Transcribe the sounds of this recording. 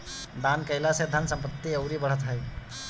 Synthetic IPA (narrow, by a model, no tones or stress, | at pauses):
d̪ankəjlased̪ʱənsəmpət̪ːiəʊɾibəɽ̤ət̪ɦəj